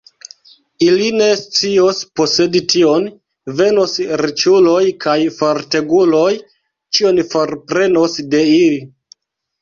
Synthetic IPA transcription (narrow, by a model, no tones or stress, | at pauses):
iline̞st͡sio̞spo̞se̞ditio̞n | ve̞nosɾit͡ʃulo̞jkʰajfoɾte̞ɡulo̞j | t͡ʃio̞nfoɾpɾe̞no̞sde̞ili